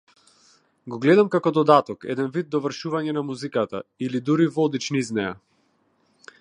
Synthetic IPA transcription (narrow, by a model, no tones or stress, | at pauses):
ɡɔɡlɛd̪amkakɔd̪ɔd̪at̪ɔkɛ̰d̪ɛnvid̪̚ːɔvr̩ʃuvaɲɛnamuzikat̪ailid̪uɾivɔd̪it͡ʃniznɛja̰